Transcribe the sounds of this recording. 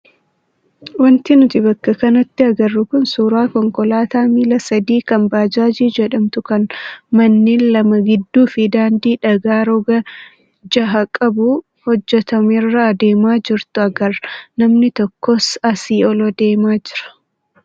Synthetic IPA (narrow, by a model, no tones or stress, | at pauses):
wɐnt̪ɪnʊt̪ɪbɐkːɐkɐnɐt̪ːɪɐɡɐrːʊkʊnsuːɾaːkɔŋkɔlaːt̪aːmiːlɐsɐd̪iːkɐmbaːd͡ʒaːd͡ʒiːd͡ʒɛᶑɐmt̪ʊkɐnmɐnːiːnlɐmɐɡɪd̪ːuːfɪd̪aːnd̪iːᶑɐɡaːɾɔɡɐ | d͡ʒɐɦɐkʼɐbʊ | hɔd͡ʒːɛt̪ɐmɪrːɐːd̪eːmaːd͡ʒɪɾt̪ʊɐɡɐɾnɐmnɪt̪ɔkːɔsɐsiːɔlɔd̪e̞ːmaːd͡ʒɪɾɐ̥